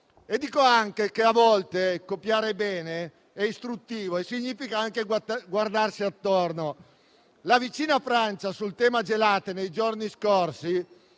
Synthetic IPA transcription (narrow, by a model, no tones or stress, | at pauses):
ed̪ːiːkoaŋkekeavɔlt̪ekopjaːɾebɛːne | ɛist̪ɾut̪ːiːvoesiɲːiːfikaaŋkeɡward̪arsiat̪ːorno | lavit͡ʃiːnafɾant͡ʃasult̪ɛːmad͡ʒelaːt̪enejd͡ʒorniskorsi